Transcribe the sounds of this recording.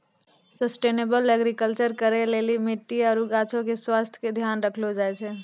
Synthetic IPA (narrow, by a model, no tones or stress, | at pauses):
səsʈeːneːbələɡɾikəlt͡ʃəɾkəɾeleːlimɪʈːiɔɾuɡaːt͡ʃʰõkeswaːst̪ʰjked̪ʱjaːnɾəkʰlod͡ʒaːɛt͡ʃʰɛ